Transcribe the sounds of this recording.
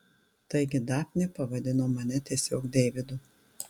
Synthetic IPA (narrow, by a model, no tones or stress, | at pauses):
t̪ɐɪɡʲɪd̪ɑːpʲnʲepɐʋɐd̪ʲɪnoːmɐnʲɛt̪ʲiɛsʲoːkd̪ʲeːʋʲɪd̪ʊ